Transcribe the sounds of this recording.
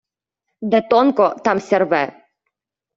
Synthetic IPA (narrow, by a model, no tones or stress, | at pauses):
d̪ɛt̪ɔnkɔt̪amsʲɛɾvɛ